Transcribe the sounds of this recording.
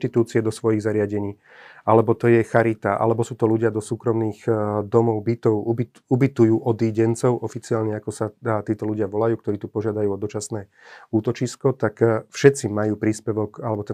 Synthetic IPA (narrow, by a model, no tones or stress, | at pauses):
t̪it̪uːt͡siɛd̪ɔsʋɔjiɣzaɾɪaɟɛɲiː | ʔalɛbɔt̪ɔjɛxaɾit̪aʔa̰lɛbɔsuːt̪ɔluɟɪad̪ɔsuːkɾɔmniːɣd̪ɔmɔʊbit̪ɔʊubi | ubit̪ujuːʔɔd̪iːɟɛnt͡sɔʊʔɔfit͡siaːlɲɛakɔsat̪iːt̪ɔluɟɪaʋɔlajuːkt̪ɔɾiːt̪upɔʒɪad̪ajuːɔd̪ɔt͡ʃasnɛː | uːt̪ɔt͡ʃiskɔt̪akfʃɛt̪t͡simajuːpɾiːspɛʋɔkalɛbɔt̪ɛ